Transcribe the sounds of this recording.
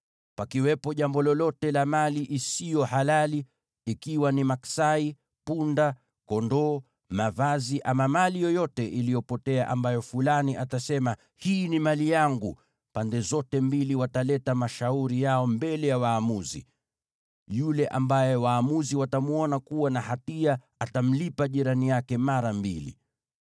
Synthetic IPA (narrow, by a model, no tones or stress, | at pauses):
pakiwɛpɔʄambɔlɔlɔtɛlamaliʔisijɔhalaliː | kiwanimaksai | punda | kɔndɔ | mavaziʔamamalijɔjɔtɛʔilijɔpɔtɛaʔambajɔfulaniʔatasɛma | hiːnimalijaŋɡu | pandɛzɔtɛmbiliwatalɛtamaʃauɾijaɔmbɛlɛjawaːmuzḭ | julɛʔa̰mbajɛwaːmuziwatamuɔnakuwanahatia | atam̩lipaʄiɾanijakɛmaɾambilḭ